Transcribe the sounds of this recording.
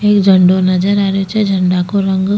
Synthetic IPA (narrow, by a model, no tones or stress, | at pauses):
eːkd͡ʒʱəɳɖonɐd͡ʒəɾaːɾot͡ʃɛd͡ʒʱəɳɖakoɾəŋɡ